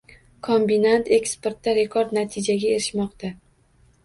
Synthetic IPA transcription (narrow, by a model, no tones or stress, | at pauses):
kʰombinant̪ʰe̞kspeɾt̪ːaɾe̞kʰoɾd̪nat̪ʰɪd͡ʒaɡʲae̞ɾɪʃmɒqt̪a